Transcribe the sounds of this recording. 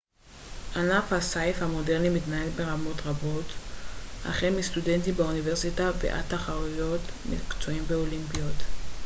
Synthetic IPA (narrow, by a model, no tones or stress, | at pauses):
ʔanafhasajfhamo̞deʁnimitnaelbe̞ʁamo̞tʁabo̞t | a̰χemist̪ude̞ntimbauniveʁsitavḛʔa̰taχaʁujo̞tmḭkt͡so̞imbeolimpijot̪